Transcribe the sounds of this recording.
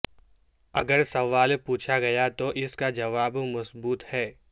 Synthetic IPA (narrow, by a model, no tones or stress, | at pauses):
ɐɡəɾsɐʋaːlpuːt͡ʃʰaɡɐjat̪oʔɪskad͡ʒɐʋaːbmɐsbuːt̪hɛː